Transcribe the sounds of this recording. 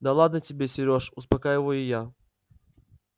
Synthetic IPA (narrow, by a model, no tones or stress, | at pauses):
d̪ɐlˠad̪nətʲɪbʲesʲɪɾʲoʂʊspɐkajɪvəjʊja